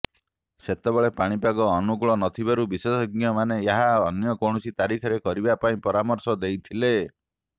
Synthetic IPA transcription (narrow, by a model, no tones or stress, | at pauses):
set̪ebɔɭepaɽ̃ipaɡɔːnuɡɭɔnɔt̪ʰibaɾubisesɔɡjɔmaneeɦaɔnjɔkoɽ̃usit̪aɾikʰɔɾekɔɾibapaĩpɔɾamɔɾsɔd̪ejt̪ʰile